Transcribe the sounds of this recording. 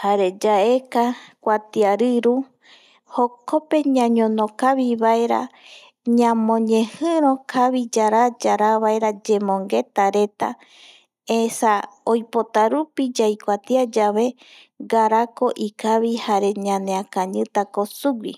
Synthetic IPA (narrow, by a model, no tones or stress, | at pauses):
haɾe̞d͡ʒae̞kakʷat̪iaɾɨɾu | hokʰope̞ɲãɲõnõkaβiβaeɾa̰ | ɲãmõɲẽhɨ̃ɾ̃õkʰaβid͡ʒaɾad͡ʒaɾaβaeɾad͡ʒe̞mõ̞ŋɡe̞t̪aɾe̞t̪a̰ | esaojpo̞t̪aɾupid͡ʒajkʷat̪iad͡ʒaβe̞ | ɡaɾako̞ʔikaβihaɾe̞ɲãneakãɲɨ̃t̪ako̞suɡʷḭ